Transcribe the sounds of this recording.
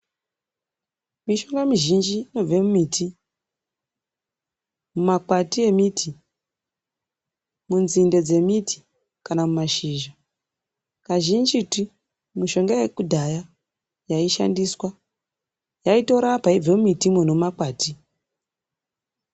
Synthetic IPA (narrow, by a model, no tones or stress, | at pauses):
miʃo̞ŋɡamiʒind͡ʒino̞b͡vemumitʰi | mumakwatie̞mitʰi | munzinde̞d͡ze̞miti̥ | kanamumaʃiːʒa | kaʒind͡ʒiti | miʃo̞ŋɡajekudʱaja | jaiʃa̰ndiswa | jaito̞ɾapaib͡vemumitimonommakwaːti